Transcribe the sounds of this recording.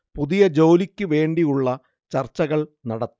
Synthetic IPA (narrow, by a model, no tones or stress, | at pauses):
puðijɐd͡ʑoːlikʲːɨʋe̞ːɳɖijuɭːɐ | t͡ɕɐrt͡ɕːɐɣɐɭnɐɽɐt̪ː